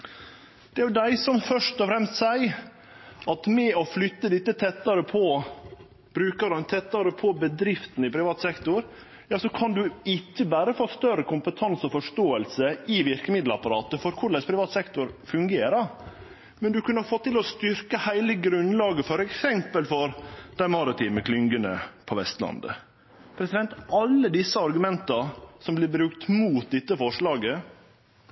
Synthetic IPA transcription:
d̪̥ɛæɾjʉd̪æɪsɔmfœʂt̪ɔfɾɛmst̪sæɪ | ɑt̪mɛɔflʏt̪ːəd̪ɪt̪ːət̪ʰɛt̪ːɑɾəpʰɔ | b̥ɾʉːkəɾɑnt̪ʰɛt̪ːɑɾəpʰɔbəd̪ɾɪft̪n̩əɪpʰɾɪʋɑːt̪sɛkt̪ʊɾ | jɑːsɔkʰɑnd̪ʉɪcːəbæːɾəfoːst̪œɾəkʰʊmpət̪ʰɑnsɔfɔʂt̪oːəlsəɪʋɪɾkəmɪd̪l̩əɑ̰pɑɾɑːt̪əfɔɾkʰʊɾɭɛspʰɾɪʋɑːt̪sɛkt̪ʊɾfʉŋɡeːɾə | mɛnd̪ʉkʰʉnəɑɾfɔt̪ːɪlɔst̪ʏɾkəhæɪləɡɾʉnlɑːɡəfɔɾɛksɛmpəlfɔɾd̪̥æɪmɑɾɪt̪ʰiːməkʰlʏŋɡənə̰pʰɔʋɛst̪lɑ̰nd̪ə̰ | pʰɾɛsɪd̪ɛnt̪ʔɑlːəd̪ɪsːəɑɾɡʉmɛnt̪ɑsɔmblɪɾbɾʉkt̪muːt̪̚d̪ɛt̪ːəfɔʂɭɑːɡə

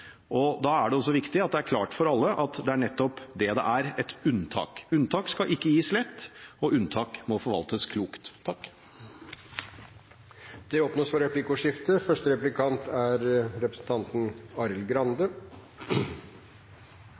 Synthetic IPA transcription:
ʔɔd̪ɑːæɖɛɔsːɔʋɪkt̪ɪɑt̪d̪ɛæɾkʰlɑːʈfɔɾɑlːəʔɑt̪d̪ɛæɳɛt̪ːɔpd̪ɛd̪ɛ̰ʔæɾɛt̪ʉnt̪ʰɑ̰ːkʉnt̪ʰɑːkskɑʔɪkːəjiːslɛt̪ːɔʔʉnt̪ʰɑːkmɔfɔɾʋɑ̰lt̪əskʰluːkt̪ʰːɑkː | d̪̥ɛopnoːsfɔɾɛplɪkʊʂɪft̪əfœʂʈəɾɛplɪkʰɑnt̪æɾɾɛpɾəsn̩t̪ʰɑnt̪n̩ɑɾəlɡɾɑnd̪ə

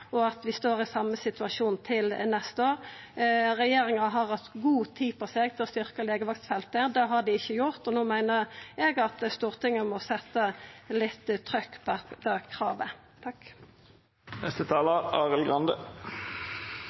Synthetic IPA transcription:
ɔɑt̪ʋɪst̪oːʁɪsɑmːəsɪt̪ʉɑʃuːnt̪ʰɪlnɛst̪əoːʁ | ʁɛjeːɾɪŋɑɦɑʁhɑt̪ːɡuːt̪ʰiːpʰɔsɛɡ̚t̪ʰɪlɔst̪ʏʁkəleːɡəʋɑksfɛlt̪əd̪ɛɦɑd̪ɪɪçːəjʊʁt̪ɔnoːmæɪnəʁɛɡɑt̪st̪uːʁt̪ʰɪŋːəmɔsɛt̪ːəlɪt̪ːt̪ʰʁœkːbɑbɑkʰʁɑːʋə | t̪ʰɑk | nʔɛ̰st̪ət̪ʰɑːləɑːʁəlɡʁɑnd̪ə

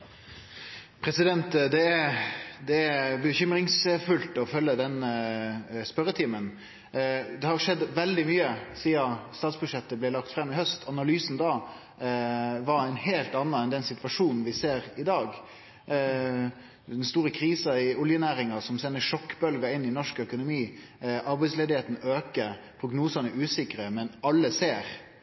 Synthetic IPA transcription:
pʰɾɛsɪd̪ɛnt̪d̪ɛæd̪ɛæbəçʏmɾɪŋsfʉlt̪ɔfœlːəd̪ɛn | spœɾːət̪ʰiːmən | d̪ɛhɑʂɛd̪ːʋɛld̪ɪmyːəsiːɑst̪ɑːt̪sbʉʂɛt̪ːəblɛlɑk̚t̪fɾɛmːɪhœst̪ʰɑnɑlyːsn̩d̪ɑː | ʋɑɾæɪnheːlt̪ɑnːɑɛnd̪ɛnsɪt̪ʋɑʂuːnn̩ʋɪseːɾɪd̪ɑːɡ | d̪ɛnst̪uːɾəkʰɾiːsɑɪʊljənæːɾɪŋɑsɔmsɛnːəʂɔkːbœlɡɑɪnːɪnɔʂkœkʊnʊmiː | ɑɾbæɪsleːd̪ɪheːt̪n̩øːkəɾpʰɾʊɡnuːsɑnəʔʉːsɪkɾəmɛnɑlːəseːɾ

